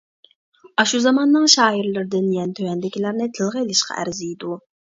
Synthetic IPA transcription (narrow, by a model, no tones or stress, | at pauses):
ɑʃuzɑmɑnːɨŋʃɑːiɾlˠɪɾd̪ɪnjɛnt̪ʰøwɛnd̪ɪkʲʰilæɾnɪt̪ʰɨlˠʁəilˠɪʃqʰɑ̰ʔæ̰ɾzijd̪u